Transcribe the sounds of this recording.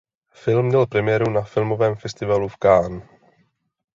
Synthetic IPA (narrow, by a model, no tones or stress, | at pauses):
fɪlmːɲɛlpɾɛmɪjɛːɾunafɪlmo̞vɛːmfɛst̪ɪvalufkaːn